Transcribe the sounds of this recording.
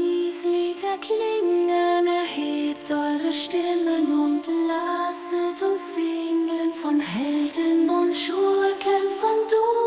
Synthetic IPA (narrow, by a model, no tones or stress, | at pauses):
iːsliːdɐkʰliːɡŋ̩anɛɐheːptʔɔʏʁəʃtɪmənʊntlasətʰʊntzɪŋnfɔnhɛldənʊntʃukʰɛnfɔndu